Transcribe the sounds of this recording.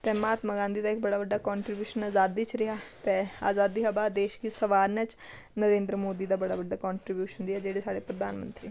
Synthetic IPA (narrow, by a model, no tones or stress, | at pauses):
t̪ɛːmaːt̪məɡãːnd̪iːd̪aːɪk̚bəɽaːbəɖːaːkɔːɳʈɾibjuːʃənaːzaːd̪iːt͡ʃɾɪɦaːt̪ɛːa̰ːzaːd̪iːɦəbaːd̪eːʃɡiːsəʋaːɾnɛːt͡ʃ | nəɾẽːnd̪ɾəmoːd̪iːd̪aːbəɽaːbəɖːaːkɔːɳʈɾibjuːʃənɾɪɦaːd͡ʒeːɽeːsaːɽeːpɾəd̪aːnmə̃nt̪ɾiː